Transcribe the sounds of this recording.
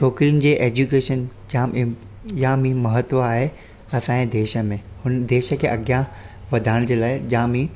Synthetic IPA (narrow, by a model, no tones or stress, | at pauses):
t͡ʃʰɔːkɾijənɪ̆d͡ʑeːʔeːd͡ʑukeːʃən | d͡ʑã | jãmĩmɐɦət̪ʋəaːɦe | ɐsãːẽd̪eːʃə̆mẽ | hʊnd̪eːʃə̆kʰeːʔɐɡjãʋɐd̪ʱaːɪɽ̃d͡ʑeːlaːɪd͡ʑãmĩ